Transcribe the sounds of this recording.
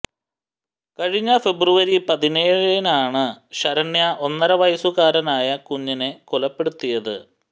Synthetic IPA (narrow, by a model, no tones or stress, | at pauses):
kɐɻiɲːɐfe̞bruʋɐɾipɐðine̞ːɻinaːɳɨɕɐɾɐɳːjɐʔo̞nːɐɾɐʋɐjɐsuɣaːɾɐnaːjɐkuɲːinekolɐpːe̞ɽut̪ːijɐðɨ̰